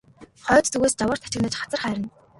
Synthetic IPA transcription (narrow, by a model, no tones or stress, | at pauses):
χœːt̪t͡suɣeːst͡ɕawə̆rt̪ʰæt͡ɕɪ̆ɣnə̆t͡ɕχat͡sə̆rχæːɾʲɪ̆n